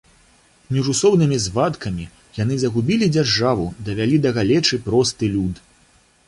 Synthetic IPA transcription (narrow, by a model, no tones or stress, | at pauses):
mʲiʐusɔwnɨmʲizvat̪kɐmʲi | janɨzɐɣubʲilʲid͡zʲarʐavud̪ɐvʲalʲid̪ɐɣalʲɛt͡ʂɨpɾɔst̪ɨlʲud̪